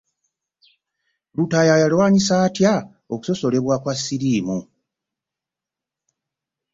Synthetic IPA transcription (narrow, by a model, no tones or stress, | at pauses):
lutajajalwaːɲisaːtja | o̞ku̥so̞so̞le̞βwakwasːiɾiːmu